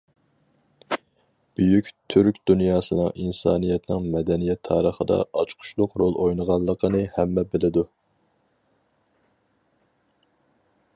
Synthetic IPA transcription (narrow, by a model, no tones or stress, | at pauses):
b̥yjykʲt̪ʰyɾkʲd̪unjɑːsɨnɨŋʔinsɑ̰ːnijɛt̪nɪŋmɛd̪ɛnijɛt̪ʰːɑːɾəχəd̪ɑ̰ɑt͡ʃqʰʊ̥ʃlˠʊqɾolˠʔojnəʁɑlˠːəqʰənɨhɛmːɛbɪlɪd̪u